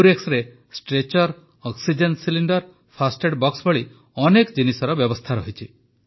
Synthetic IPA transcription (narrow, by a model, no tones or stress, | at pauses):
uɾeksɾe | sʈɾet͡ʃɔɾ | ɔksid͡ʒenʈsiliɳɖɔɾ | pʰasʈeɖbɔksbɔɭi | ɔnekd͡ʒinisɔɾɔbjɔbɔst̪ʰaɾɔɦit͡ʃʰi